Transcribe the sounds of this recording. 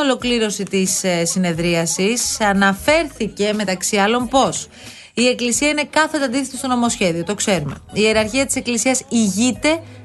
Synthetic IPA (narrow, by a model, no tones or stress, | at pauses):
olo̞kliɾo̞sit̪issine̞ðɾiɐsisɐnɐfe̞ɾθice̞me̞t̪ɐksiɐlo̞mpo̞s | ie̞klisiɐine̞kɐθt̪ɐnd̪iθesist̪o̞no̞mo̞sçe̞ðio̞t̪o̞kse̞ɾume̞̰ie̞ɾɐɾçiɐt̪i̥seklisiɐsiʝit̪e̞